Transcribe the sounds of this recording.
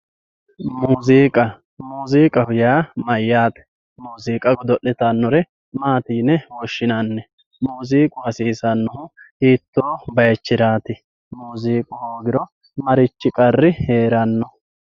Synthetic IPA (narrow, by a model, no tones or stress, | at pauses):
muːziːkʼɐ | muːziːkʼɐhʊjaːmɐjːaːt̪ɛ̥ | muːziːkʼɐɡɔd̪ɔʔːɛt̪ɐnːɔɾɛ | maːt̪iːnɛwɔʃːɪnanːɛ | muːziːkʼʊhɐsiːsɐnːɔhʊhiːt̪ːo̞ːbɐjɛt͡ʃːɪd̪aːt̪ɪ | muːziːkʼʊhoːɡɪɾɔ | mɐɾɪt͡ʃːɪkʼɐrːɪhe̞ːɾɐnːɔ